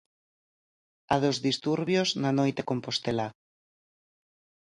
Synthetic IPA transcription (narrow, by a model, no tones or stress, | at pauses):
aðozðist̪uɾβjoznanojt̪ekõmpost̪ela